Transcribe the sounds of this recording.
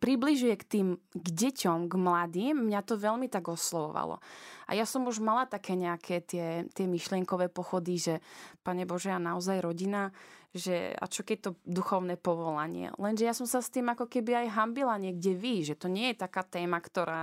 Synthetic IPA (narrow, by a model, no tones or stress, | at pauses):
pɾibliʒujɛkt̪iːmɡɟɛcɔmɡmlad̪iːmːɲat̪ɔʋɛʎmit̪aɡɔslɔʋɔ̰ʋa̰lɔ̰ʔa̰jasɔmuʒmalat̪akɛːɲɛakʰɛːt̪ɪɛt̪ɪɛmiʃlɪɛŋkɔʋɛːpɔxɔd̪iʒɛpaɲɛbɔʒɛanaɔzajɾɔɟinaʒɛ̰a̰t͡ʃɔkɛct̪ɔd̪uxɔʊnɛpɔʋɔlaɲɪɛ̰lɛnʒɛjasɔmsast̪iːmakɔkɛbiajɦambilaɲɪɛɡɟɛʋiʒɛt̪ɔɲɛjɛt̪akaːt̪ɛːmakt̪ɔɾaː